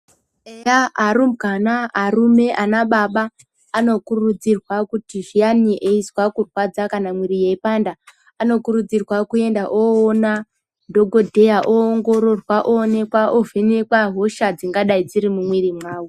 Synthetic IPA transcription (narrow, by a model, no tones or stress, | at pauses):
ejaaɾumkanaːrume̞ʔanaɓaɓaː | no̞kurud͡zirwakutiʒianiʔeizwakurwad͡zakanamwiɾijeipanda | ano̞kuɾud͡zirwakue̞ndaʔoːna | dʱo̞ɡʱo̞dʱe̞jaʔoːŋɡo̞ɾo̞rwaʔoːne̞kwaʔovʱenekwaɦo̞ʃad͡ziŋɡaɗaid͡ziɾimumwiɾimwaːwu